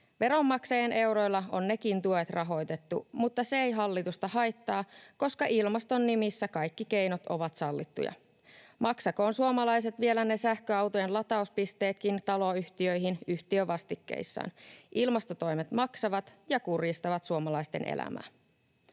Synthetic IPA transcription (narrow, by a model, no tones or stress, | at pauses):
ʋe̞ɾo̞mːɑksɑjenʔe̞wɾo̞jlːɑo̰nːe̞kint̪uet̪rɑɦo̞jt̪e̞t̪ːṵmut̪ːɑseejɦɑlːit̪ust̪ɑhɑjt̪ːɑːko̞skɑʔilmɑst̪o̞nːimisːækɑjkːike̞jnot̪o̞̰ʋɑt̪sɑlːit̪ːṵjɑ̰ | mɑksɑko̞ːnsuomɑlɑjse̞t̪ʋie̞læne̞sæhkøɑwt̪ojenlɑt̪ɑuspist̪e̞ːt̪kint̪ɑloyht̪iøjɦinyht̪iøʋɑst̪ikːḛjsːɑ̰ːnʔilmɑst̪o̞t̪o̞jmet̪mɑksɑʋɑt̪jɑkurjist̪ɑʋɑt̪suomɑlɑist̪e̞nʔḛlæ̰mæ̰ː